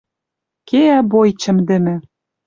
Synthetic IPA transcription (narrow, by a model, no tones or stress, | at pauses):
keæbojt͡ɕɘ̆md̪ɘ̆mɘ̆